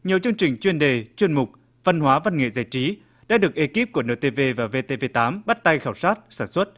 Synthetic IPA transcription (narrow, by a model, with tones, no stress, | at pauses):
ɲi˨˩əwt͡ɕɨ˧əŋt͡ɕï˨˩ŋ̟t͡ɕwi˧ənɗe˨˩t͡ɕwi˧ənmʊ˨˩k͡p̚ | va˧nɦwaː˨˦va˧nŋḛ˧˨za̰ː˧˩jt͡ɕi˨˦ | ɗa̰ː˧˥ɗɨ˨˩ək̚ʔe˨˦ki˦˥p̚ku˧˩ənə̰ː˧˩t̪e˧ve˧vaː˨˩ve˧t̪e˧ve˧t̪aː˨˦mɓa˦˥t̚t̪a˧jxaː˧˩wsaː˦˥t̚saː˧˩nswə˦˥t̚